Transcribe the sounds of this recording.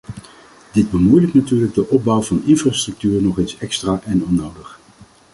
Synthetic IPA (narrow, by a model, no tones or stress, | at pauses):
dɪd̚bəmujləktnatyːrləɡ̚dəʔɔb̚bɔwvɑnɪnfraːstrɵk̚tyːrnɔχensɛkstraːʔɛnɔnowdəχ